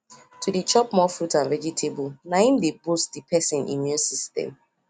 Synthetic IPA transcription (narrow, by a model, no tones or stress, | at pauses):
tʰudit͡ʃɔpmɔfɾutãnvɛd͡ʒitʰebulnaĩmdebustdipʰɛsĩnʔḭ̃mjũnsistɛ̰̃m